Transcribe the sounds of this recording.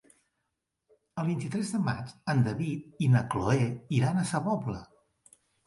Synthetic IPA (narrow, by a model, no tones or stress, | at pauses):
əlˠβint̪it̪ɾɛzðəma̰t͡ʃənd̪əβit̪̚inəkloɛiɾanəsəβɔblə